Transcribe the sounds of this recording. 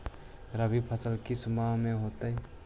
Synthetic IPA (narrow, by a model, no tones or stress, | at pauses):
ɾəbipʰəsəlkisʊmaɦmẽɦoːt̪əi